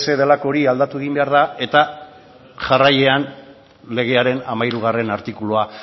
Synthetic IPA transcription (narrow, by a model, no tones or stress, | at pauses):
se̞ðelako̞ɾiald̪at̪ueɣ̞imbe̞aɾð̞ae̞t̪a | ʝaraje̞an | le̞ɣ̞e̞aɾe̞namajɾuɣ̞are̞naɾt̪ikuloa